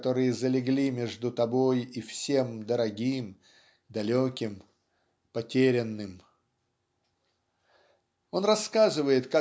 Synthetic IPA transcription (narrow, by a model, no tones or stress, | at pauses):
t̪o̞ɾɨjəzəlʲɪɡlʲimʲeʐd̪ʊt̪ɐbo̞jifsʲe̞md̪əɾɐɡʲim | d̪ɐlʲokʲɪm | pɐtʲeɾʲɪnːɨm | o̞nrɐskazɨvəjɪt̪ka